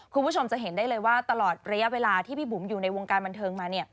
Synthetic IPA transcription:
kʰu˧npʰu˥˩o˧mt͡ɕa˨˩ɦe˩˦ndaː˥˩jlɤː˧jwaː˥˩t̪a˧lɔː˨˩t̪̚ɾa˧ja˦˥ʔweː˧laː˧t̪ʰiː˥˩miː˧bu˩˦mjuː˨˩na˧jwoː˧ŋkaː˧nba˧nt̪ʰɤː˧ŋmaː˧ni˥˩ɐ

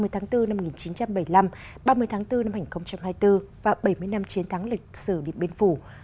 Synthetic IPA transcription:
mɨ˧əjt̪ʰa˨˦ŋt̪ɨ˧na˧m̚˨˩ŋi˨˩nt͡ɕi˨˦nt͡ɕa˧mɓə˧˩jla˧m | ɓaː˧mɨ˧əjt̪ʰaː˨˦ŋt̪ɨ˧na˧mha˨˩jŋ̟xə˧wŋ͡mt͡ɕa˧mhaː˧jt̪ɨ˧vaː˨˩ɓə˧˩jmɨ˧əjna˧mt͡ɕi˨˦nt̪ʰa˨˦ŋlï˨˩k̟̚sɨ˧˩ɗḭ˧˨əmɓe˧nfu˧˩

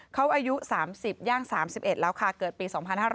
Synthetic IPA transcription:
kʰa˦˥wʔaː˧ju˦˥saː˩˦msi˨˩p̚jaː˥˩ŋsaː˩˦msi˨˩p̚ʔe˨˩t̪̚lɛː˦˥wkʰa˥˩kɤː˨˩t̪̚piː˧sɔː˩˦ŋpʰa˧nhaː˥˩ɾ

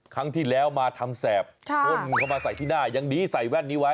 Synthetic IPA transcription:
kʰa˦˥ŋt̪ʰiː˥˩lɛː˦˥wmaː˧t̪ʰa˧msɛː˨˩p̚ʰko˧˩˨nkʰa˥˩wmaː˧sa˨˩jt̪ʰiː˥˩naː˥˩ja˧ŋdiː˧˥sa˨˩jwɛ˥˩nːiː˦˥wa˦˥j

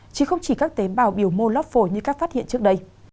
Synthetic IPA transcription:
t͡ɕi˨˩xə˧wŋ͡mt͡ɕi˧˩kaː˦˥k̚t̪e˨˦nɓaː˧˩wɓi˧˩əwmo˧lɔ˦˥p̚fo˧˩ɲɨ˧kaː˦˥k̚faː˦˥t̚hḭ˧˨ənt͡ɕɨ˦˥ək̚ɗə˧j

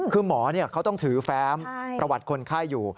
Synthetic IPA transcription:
kʰɯː˧mɔː˩˦ni˥˩ɐkʰa˦˥wt̪ɔ˥˩ŋt̪ʰɯː˩˦fɛː˦˥mpɾʔa˧wa˨˩t̪̚kʰo˧nkʰaː˥˩jːuː˨˩

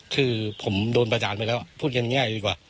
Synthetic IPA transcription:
kʰɯː˧pʰo˩˦mdoː˧npɾa˧t͡ɕaː˨˦npa˧lɛː˦˥˩pʰuː˥˩t̪̚ka˧nŋɛː˥˩diː˧kwaː˨˩

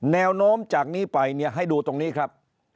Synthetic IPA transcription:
nɛː˧wnoː˦˥mt͡ɕaː˨˩k̚niː˥˩pa˧jni˥˩ɐɦa˥˩jduː˧t̪o˧ŋniː˦˥kʰɾa˦˥p̚

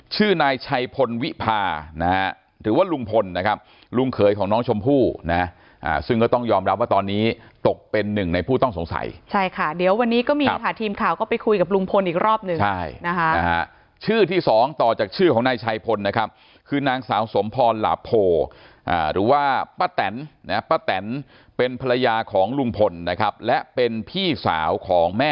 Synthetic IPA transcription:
t͡ɕʰɯː˥˩naː˧jt͡ɕʰa˧jpʰo˧nwi˦˥pʰaː˧na˦˥ | ɾɯː˨˩˦waː˥˩lu˧ŋpʰo˧nːa˦˥kʰa˦˥p̚ | lu˧ŋkʰɤː˩˦jkʰɔː˩˦ŋnɔː˦˥ŋt͡ɕʰo˧mpʰuː˥˩na˦˥ | ʔa̰ː˨˩sɯ˥˩ŋkɔː˥˩t̪ɔ˥˩ŋjɔː˧mɾa˦˥p̚waː˥˩t̪ɔː˧nːiː˦˥t̪o˨˩k̚pe˧nːɯ˨˩ŋna˧jpʰuː˥˩t̪ɔ˥˩ŋso˩˦ŋsa̰˨˩˦jt͡ɕʰa˥˩jkʰa˥˩di˨˩˦əwa˧nːiː˦˥kɔː˥˩miː˧a˦˥˧kʰaː˨˩˦t̪ʰiː˧mkʰaː˨˩wkɔː˥˩pa˧jkʰu˧jka˨˩p̚lu˧ŋpʰo˧nʔiː˨˩kɾɔː˥˩p̚nɯ˨˩ŋt͡ɕʰa˥˩jna˦˥kʰa˥˦na˦˧˥ka˦˥ | t͡ɕʰɯː˥˩t̪ʰiː˥˩sɔː˩˦ŋt̪ɔː˨˩t͡ɕaː˨˩k̚t͡ɕʰɯː˥˩kʰɔː˩˦ŋnaː˧jt͡ɕʰaː˧jpʰo˧nːa˦˥kʰa˦˥p̚ | kʰɯː˧naː˧ŋsaː˩˦wso˩˦mpʰɔː˧nla̰ː˨˩pʰoː˧ | ʔa̰ː˨˩ɾɯː˩˦waː˥˩paː˧˥˩t̪ɛ˩˦nna˦paː˧˩t̪ɛ˩˦n | pe˧npʰa˧la˧jaː˧kʰɔː˩˦ŋlu˧ŋpʰo˧nːa˦˥kʰa˦˥p̚lɛ˦˥pe˧npʰiː˥˩sa̰ː˩˦wkʰɔː˩˦ŋmɛː˥˩

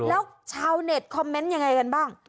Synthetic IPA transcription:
lɛː˦˥wt͡ɕʰaː˧˥wne˨˩t̪̚kʰɔ˧mːe˦˥nja˧ŋːa˧jka˧nbaː˥˩ŋ

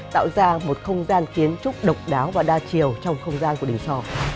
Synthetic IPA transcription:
t̪a̰ː˧˨wzaː˧mo˨˩t̚xə˧wŋ͡mzaː˧nxi˨˦ənt͡ɕʊ˦˥k͡p̚ɗə˨˩wk͡p̚ɗaː˨˦wvaː˨˩ɗaː˧t͡ɕi˨˩əwt͡ɕɔ˧wŋ͡mxə˧wŋ͡mzaː˧nku˧˩əɗi˨˩ŋ̟sɔ˧

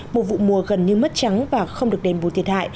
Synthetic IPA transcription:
mo˨˩t̚vṵ˧˨mu˨˩əɣə˨˩nɲɨ˧mə˦˥t̚t͡ɕa˨˦ŋvaː˨˩xə˧wŋ͡mɗɨ˨˩ək̚ɗe˨˩nɓu˨˦t̪i˨˩ət̚ha̰ː˧˨j

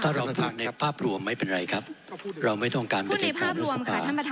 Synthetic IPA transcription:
t̪ʰaː˥˩ɾa˧wst̪ʰa˧nna˧˦pʰːaː˥˩p̚ɾu˧əmːa˥˩jpe˧nɾa˧jkʰa˦˥p̚ | ɾa˧wma˥˩jt̪ɔ˥˩ŋkaː˧na˥˩ni˨˧pʰaː˥˩˦u˧sampʰaː˧˩˧

